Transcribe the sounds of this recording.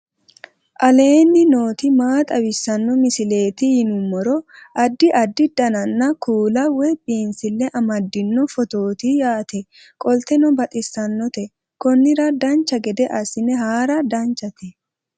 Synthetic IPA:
ʔɐle̞ːnːɪno̞ːt̪ɪmaːt̪ʼɐwɪsːɐnːɔmɪsɪle̞ːt̪ɪhɪnʊmːɔɾɔʔɐd̪ːɪʔɐd̪ːɪd̪̥ɐnɐnːɐkuːlɐwɛbiːnsɪlːɛʔɐmɐd̪ːɪnːɔfɔt̪o̞ːt̪ijaːt̪ɛ | kʼɔlt̪ɛnɔbɐt̪ʼɪsːɐnːɔt̪ɛ | kɔnːɪɾɐd̪ɐnt͡ʃːɐɡɛd̪ɛʔɐsɪnɛɦaːɾɐd̪ɐnt͡ʃːɐt̪ɛ

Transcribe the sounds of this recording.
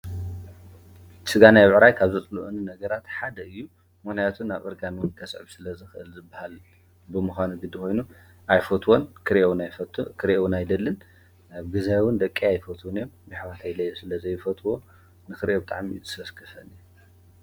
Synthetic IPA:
t͡ʃʼɨɡanajβʕɾajkʰaβzɨt͡sʼluʔuninɐɡɐɾat̪ħad̪ɐɨjːu | monajat̪ʰunaβɨɾɡanwʊnkʰɐsʕɨβsɨlɐzɨxɨʔɨlzɨbːahal | bɨmɨxʷanuɡɨd̪ikʰo̞jnu | ʔajfot̪ʰwonkʰɨɾʔewnajkʰɨɾewunajd̪ɐlːɨn | aβɡɨzajwʊnd̪ɐkʼːiajfɐt̪ʰwonɨjombɨħβat̪ʰajlɐjusɨlɐzɐjːɪfɐt̪ʰʼwo̞ | nɨxɨɾʔebɨt̪ʼa̰ʕmiɨsɐskʰɐfɐnɨj

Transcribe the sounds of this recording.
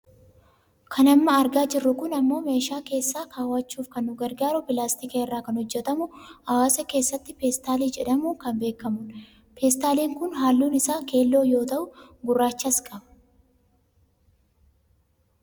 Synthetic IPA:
kʰɐnɐmːɐːɾɡaːd͡ʒɪrːʊkʊnɐmːo̞ːme̞ːʃaːke̞ːsːaːkaːwɐt͡ʃːuːfkɐnːʊɡɐɾɡaːɾʊpɪlaːst̪ɪkeːrːaːkɐnhɔd͡ʒːɛt̪ɐmʊɐwaːsɐke̞ːsːɐt̪ːɪfeːst̪aːliːd͡ʒɛᶑɐmuːkɐmbe̞ːkːɐmʊn | peːst̪aːleːŋkʊnɦaːlːuːnɪsaːke̞ːlːo̞ːjo̞ːt̪ɐʔʊɡʊrːaːt͡ʃːɐskʼɐbɐ̥

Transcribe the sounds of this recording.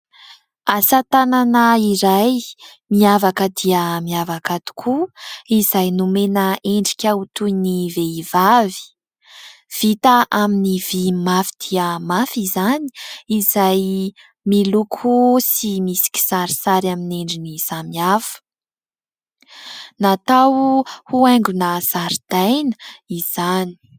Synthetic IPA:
asat̪ananəiɾaj | miavakəd̪iəmiavakat̪u̥kʰuizajnumenəʔeɳɖ͡ʐi̥kʲaut̪uiniveivavi̥ | v̥it̪aʔaminivimafi̥d̪̥iəmafizani̥izaj | milukʰusimisi̥kʲi̥saɾisaɾamineɳɖ͡ʐiniz̥amiafə̥ | nat̪awhuɛŋɡunəz̥aɾid̪̥ajnəiz̥ani̥

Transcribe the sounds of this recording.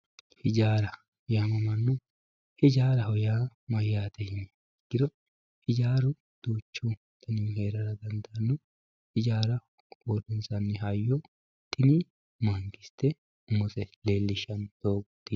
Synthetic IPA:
hɪd͡ʒaːɾɐ | hɔjaːmɐmɐnːʊ | hɪd͡ʒaːɾɐhɔjaːmɐjːaːt̪ɛhɪɲː | ɡ̥ɪɾɔ | hɪd͡ʒaːɾʊ | d̪̥uːt͡ʃːu | t̪ʰɐninheːɾɐɾɐd̪ɐnd̪ɐʔɐnːʊ | hɪd͡ʒaːɾɐ | ɡod̪ɪnsɐnːɪɦɐjːɔ | t̪ːɪni | maːŋkɪst̪ɛ | ʊmːɔsɛleːlːɪʃɐnd̪oːkʊt̪ːɪ

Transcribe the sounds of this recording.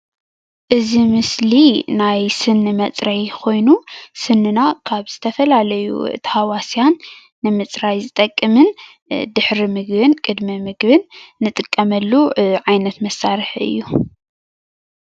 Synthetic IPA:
ʔɨzimɨslinajsɨnɨmɐt͡sʼɾɐjkʰo̞jnusɨnːɨnakʰaβz̥ɨt̪ʰɐfɐlalɐjṵɨ̰t̪ʰhawasjanː | ɨmɨt͡sʼɾajzɨt̪ʼɐkʼːɨmɨn | d̪ɨħɾimɨɡbɨnkʼɨd̪mɐmɨɡbɨnːɨt̪ʼɨkʼːɐmɐlːuʕajnɐt̪mɐsːaɾɨħʔɨ̰jːu

